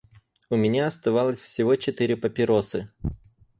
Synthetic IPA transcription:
ʊmʲɪnʲaɐst̪ɐvalˠəsʲfsʲɪvo̞t͡ɕɪt̪ɨɾʲɪpəpʲɪɾosɨ

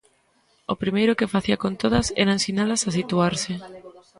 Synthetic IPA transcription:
opɾimejɾʊkɪfaθiakont̪oð̞ɐsɛ̰ɾaensinalasasit̪uaɾsɪ

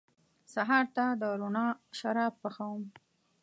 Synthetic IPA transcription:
saɦɑɾt̪ad̪əɾonɑʃaɾɑb̚ːəxawəm

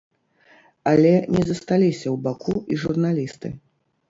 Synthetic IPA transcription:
alʲɛnʲʔɛzɐst̪alʲisʲɐwbakʰuiʐurnalʲist̪ɨ̰

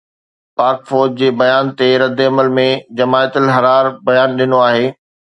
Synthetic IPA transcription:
paːɾkfoːɾd͡ʑd͡ʑeːbɐjaːnt̪eɾɐd̪eɐməlmẽd͡ʑɐmaːət̪əlɦɐɾaːɾbɐjaːnɗɪnoaːɦeː

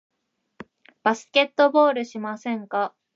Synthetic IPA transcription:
b̥asɨ̥ke̞t̪ːo̞bo̞ːɾɯ̟ɕimasẽ̞ŋka

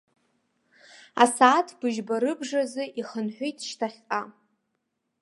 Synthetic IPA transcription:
a̰saːtʰbɨʒbaɾɨbʐazɨʔiχənħʷejtʰʼʃtʰaχʲqʼa

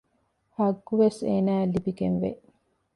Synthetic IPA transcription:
hɐɡːuʋeseːnæːlibiɡenʋḛʔ

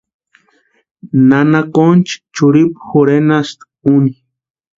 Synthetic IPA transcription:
nanakont͡ʃi̥t͡ʃuɾipxuɾenast̪ | uni

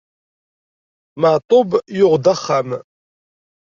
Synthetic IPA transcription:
məʕt̪ˤʊbjʊʁd̪aχːam

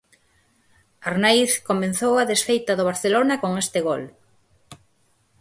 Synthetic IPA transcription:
aɾnajθkomẽn̟θowaðesfejt̪aðoβ̞aɾθelonakoŋest̪ɪɣol

